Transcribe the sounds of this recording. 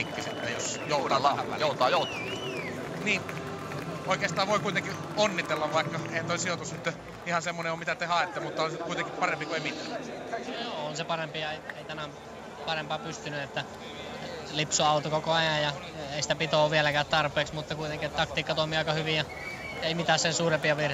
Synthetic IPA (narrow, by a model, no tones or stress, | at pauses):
ikːiset̪ːæ̰josjouɑɑæʋʋæ̰joˑut̪ɑːjout̪ɑ̥mi | niːn | oˑikeːst̪ɑːʋʋoˑikuit̪eŋki | onːit̪elːɑʋʋɑikːɑeˑihænt̪oˑilsiot̪usnyt̪ː | ihɑsemːoneomit̪æt̪ehɑˑet̪ːemut̪ːɑolskuit̪eŋkippɑrempikueimit̪æ̰ːnjoːonsepɑrempiɑeieit̪ænæm | pɑrempɑːpyst̪ynyet̪ːæ | lipsuɑˑut̪okokoɑjɑjjɑ | eˑisi̥t̪æpit̪oːʋielækæːt̪t̪ɑrpˑeːksmut̪ːɑkuit̪eŋkiet̪t̪ɑkt̪iːkːɑt̪oimiɑˑikɑhyʋijɑ | eimit̪æːssensuːrempiɑʋir